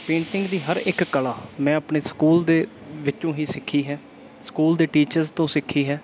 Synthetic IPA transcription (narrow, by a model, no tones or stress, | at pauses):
pẽːɳsɪ̃ŋɡd̪iːɦəɾɪkkəlaːmɛ̃ːəpɳeːsə̥kuːld̪eː | ʋɪt͡ʃõːɦiːsɪkʰːiːɦɛː | sə̥kuːld̪eːʈiːt͡ʃəɾzt̪õːsɪkʰːiːɦɛː